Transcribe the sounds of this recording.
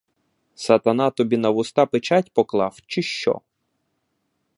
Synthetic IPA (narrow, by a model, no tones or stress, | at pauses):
sɐt̪ɐnɑt̪ɔbʲinɐwʊst̪ɑpɪt͡ʃɑtʲpɔklˠɑwt͡ʃɪʃt͡ʃɔ̰